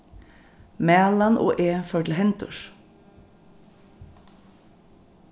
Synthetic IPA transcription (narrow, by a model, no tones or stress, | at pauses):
mæːlanʔo̰ːʔeːfœʈ̪l̩ɦɛnt̪ʊ̰ʃ